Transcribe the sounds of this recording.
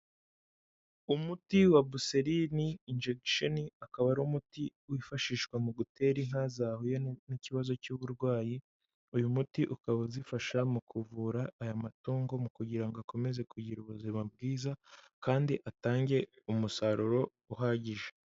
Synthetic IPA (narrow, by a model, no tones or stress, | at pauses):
umutiwabuseɾiniinʒeɡʃoniakaβaɾumutiwifaʃiːʃkwamuɡutʰe̞ɾiŋ̥hazaːhojoniciβazo̞cuβuɾɡwaːji | ujumutiʔukaβazifaʃamukʰuvuːɾaːjamatuːŋɡo̞mukuɟiɾaŋɡoako̞me̞ze̞kʰuɟiɾuβuzimab̚ɡiːzakaːndiʔataːɲɟe̞ | umusaɾuɾo̞ | uɦaːɟiʒe